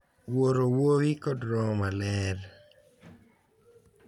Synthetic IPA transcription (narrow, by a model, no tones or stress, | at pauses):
woɾowowikɔdɾɔmalɛɾ